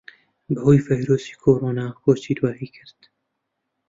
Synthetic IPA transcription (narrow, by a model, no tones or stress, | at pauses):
bɨhoːjvajɾoːsi̥ːkʰoːɾoːnɑːxoːt͡ʃid̪waːhiːkʰɨɾt̪